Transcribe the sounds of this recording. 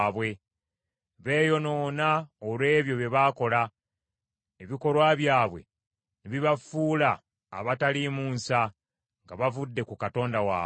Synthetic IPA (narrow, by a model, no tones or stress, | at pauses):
βwe̞ | βe̞ːjo̞no̞ːnaolwe̞ːβjo̞βje̞βaːko̞la | eβiko̞lwaːβjaːβwe̞̰ | neβiβafuːla̰ː | βatalimuːnsa | ŋɡaβavudːe̞kukato̞ːndawa̰ː